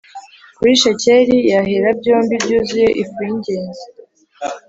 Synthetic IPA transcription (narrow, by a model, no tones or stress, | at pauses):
kuɾiʃece̞ɾijaɦeɾab̚ɟoːmbibɟuːzuje̞ʔifuiɲɟeːɲze